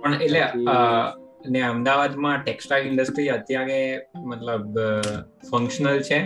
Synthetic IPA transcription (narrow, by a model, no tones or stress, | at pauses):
pəɳeʈleə | əneəmd̪aʋad̪mãʈeksʈajlɪɳɖəsʈɾiɦət̪jãɡemət̪ləb | fəŋkʃənəlt͡ʃʰe